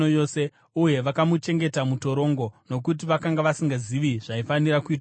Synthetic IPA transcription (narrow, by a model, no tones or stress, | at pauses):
ojo̞se̞ | uje̞ʋakamut͡ʃe̞ŋɡe̞tamuto̞ɾo̞ːŋɡo̞no̞k̬ut̬iʋakaŋɡaʋasiŋɡaziʋiʐ̥aifaniɾakuiːt